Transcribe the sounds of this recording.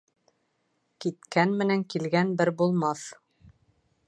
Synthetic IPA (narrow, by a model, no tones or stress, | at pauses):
kit̪kænmɘ̆næŋkilɡænbɘɾbulˠmɑθ